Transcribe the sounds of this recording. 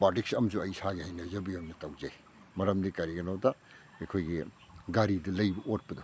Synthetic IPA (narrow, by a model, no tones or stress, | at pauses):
baɾtik̚sɐmsuɐjsaɡihɐjnɐzɐbijɐmnɐtɐwd͡ʒaj | mɐɾɐmdikɐɾiɡɐnowta | ejkʰojɡi | ɡaɾidɐlɐjbɐʔot̚pɐdu